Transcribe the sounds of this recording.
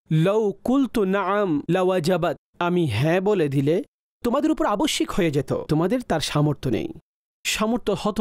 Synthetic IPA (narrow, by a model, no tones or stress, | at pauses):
lowkult̪unaʕamlawad͡ʑabat̪̚amiɦɛ̃boled̪ile | t̪omad̪eɾupoɾeaboʃːikhoed͡ʑet̪o̰t̪omad̪eɾt̪aɾʃamoɾt̪ʰonḛj | ʃamoɾt̪ohɔt̪o